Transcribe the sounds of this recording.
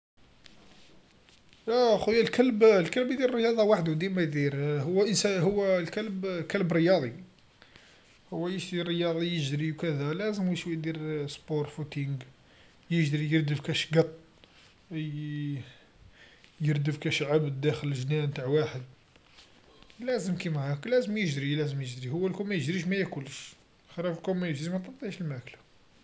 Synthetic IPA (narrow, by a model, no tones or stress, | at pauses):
jæxujːælkælblkəlbd̪iɾrːəjɑd̪ˤɑwaħd̪ud̪ilmæjd̪iɾhʊwːæʔənsæɦʊwːælkælbkælbɾəjɑd̪ˤi | hʊwːæjəʃd̪irːəjɑd̪ˤijəʒd̪ɾiwkæd̪ælæzəmwiʃwid̪iɾspoɾˤfut̪iŋɡ | jəʒd̪ɾijəɾd̪əfkæʃɡɑt̪ˤː | jəɾd̪əfkæʃʕabd̪ːæxələʒnæmt̪aʕwaħəd̪ | læzəmkimæhæklæzəmjəʒd̪ɾilæzəmjəʒd̪ɾihʊwːælkumæjəʒd̪ɾiʃmæjækuləʃ | xəɾˤɑfəlkumæjəʒd̪ɾimæt̪ˤɑt̪ːˤiʕʃəlmæʔkla